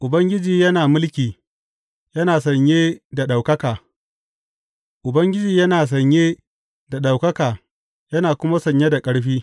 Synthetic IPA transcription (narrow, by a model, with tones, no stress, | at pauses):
ʔʊ˨bɐ˦ŋɡʲɪ˦d͡ʒiː˨jɐ˦naː˨mʊ˦lkʲiː˨ | jɐ˦naː˨sɐ˨ɲjeː˦da˨ɗa˨wkɐ˦kaː˨ | ʔʊ˨bɐ˦ŋɡʲɪ˦d͡ʒiː˨jɐ˦naː˨s̬ɐ˨ɲjeː˦ | da˨ɗa˨wkɐ˦kaː˨ | jɐ˦naː˨kʷʊ˦ma˦sɐ˨ɲje˦da˨kʼɐ˦ɽɸiː˦